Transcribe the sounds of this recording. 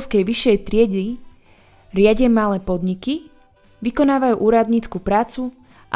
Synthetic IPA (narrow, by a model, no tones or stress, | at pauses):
skɛjʋiʃːɛjt̪ɾɪɛɟi | ɾɪaɟɛmalɛːpɔd̪ɲiki | ʋikɔnaːʋajuːʔuːɾad̪ɲiːt͡skupɾaːt͡su | ʔa̰